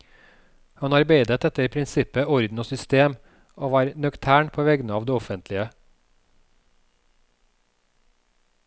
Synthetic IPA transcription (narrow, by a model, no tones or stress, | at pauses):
hɑnɑɾbeɪd̪ət̪ɛt̪əɾpʰɾɪnsɪpəɔɾd̪n̩oːsʏst̪eːm | oːʋɑːɾnʉkt̪ʰæːɳpʰoːʋɛɡnəɑːʋd̪eːɔfənt̪ʰlɪə